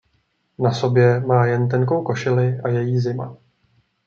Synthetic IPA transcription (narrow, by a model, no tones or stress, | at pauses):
naso̞bjɛmaːjɛnt̪̬ɛŋko̞wko̞ʃɪlɪʔajɛjiːzɪma